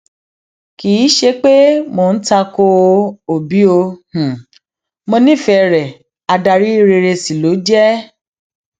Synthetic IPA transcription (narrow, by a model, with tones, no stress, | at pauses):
kiː˨˦ʃe˧k͡pe˦mo˧n̩˦ta˧ko˧o˨bi˨˦o˧h̩˨ | mõ˧nĩ˦˨fɛ˧˨ɾɛ˨ | a˧da˧ɾi˦i˦˧ɾe˧ɾe˧si˨lo˨˦d͡ʒɛ˦